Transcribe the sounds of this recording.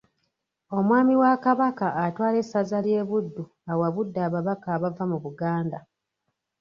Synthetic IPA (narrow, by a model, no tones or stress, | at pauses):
o̞mwaːmiwakaβakaːtwaːle̞sːazalje̞ːβudːu | awaβudːaːβaβakaːβavamuβuɡaːnda